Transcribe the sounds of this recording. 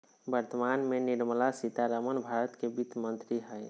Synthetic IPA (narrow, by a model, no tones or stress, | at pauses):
bəɾt̪əmanmeniɾməlasit̪aɾəmənbʱaɾət̪kebit̪mənt̪ɾiɦɛj